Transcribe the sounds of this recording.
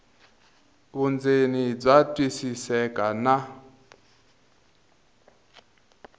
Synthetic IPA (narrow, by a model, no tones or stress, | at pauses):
βund͡zenib͡ʐʷatʼwisisɛkʼana